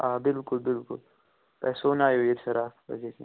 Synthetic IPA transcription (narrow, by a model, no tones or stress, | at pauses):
aːbɪlkʊlbɪlkʊ̰l | pɛ̰ːsoːnaːjoːiɾʃɐɾaːfbɐ̰d͡ʒetʰḭ